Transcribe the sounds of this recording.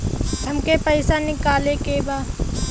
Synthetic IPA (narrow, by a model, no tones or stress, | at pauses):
ɦɐmkepəɪsanɪkaːlekebaː